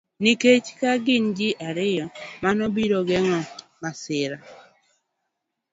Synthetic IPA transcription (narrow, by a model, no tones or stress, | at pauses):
niket͡ʃkaɡɪnd͡ʒɪʔaɾɪjɔmanobiɾoɡɛŋɔ | masɪɾa